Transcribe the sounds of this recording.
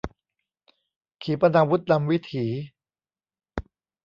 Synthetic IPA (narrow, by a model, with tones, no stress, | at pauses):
kʰiː˩˦pa˧ndaː˨˧wu˦˥t̪̚na˧mwi˦˥t̪ʰiː˩˦